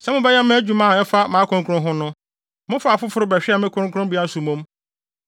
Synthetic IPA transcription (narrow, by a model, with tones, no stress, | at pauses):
sɛ˦mʊ̃˦bɛ˦jɛ˦mɪ̃˦æ˦d͡ʑᶣu˨mã˦˨ɛ˦fa˦mãː˨˦kʰʊ̃˦ŋkʰʊ˦ʊ̃˦ɦʊ̃˦nʊ̃˦ | mʊ̃˦fa˨fʊ˦fʊ˨˦ɾʊ˦bɛ˨ɕᶣɪ˦ɛ˦˨mɪ̃˦kʰʊ̃˦kʰʊ̃˦bi˦a˦su˨mʊ̃˦m